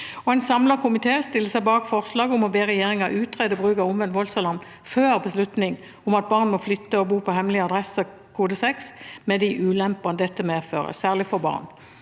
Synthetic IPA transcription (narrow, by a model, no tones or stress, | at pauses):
ɔɛɪnsɑmlɑkʰʊmɪt̪ʰeːst̪ɪlːəsæɪbɑːkfɔʁslɑːɡʊmɔbeːʁɛjeːʁɪŋɑʔʉːt̪ʰʁɛd̪ɔbʁʉːkɑʊnʋɛnʋɔlsɑlɑn | føːʁbəslʉt̪nɪŋ | ʊmɑt̪̚bɑːʁnmɔflʏt̪ːəɔbuːpʰɔhɛmlɪɑd̪ʁɛsə | kʰuːd̪əsɛksmɛd̪ɪʔʉːlɛmpɑnd̪ɛt̪ːəmeːfø̰ːʁə̰sæːʁlɪfɔbɑ̰ːʁn